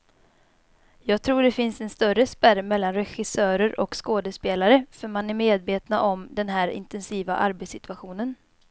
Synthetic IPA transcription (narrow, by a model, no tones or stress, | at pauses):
jɑːɡ̚t̪ʰɾuːɖɛfɪnsɛnst̪œɾəspæɾmɛlːanɾɛɧɪsœːɾəɾɔ̰kskoːd̪əspeːlaɾəfœɾmanæɾmeːd̪veːt̪naʔɔmd̪ɛnɦæːɾɪ̰nt̪ɛnsiːva̰ʔa̰ɾbet̪sɪt̪ʰɵ̥aɧuːnən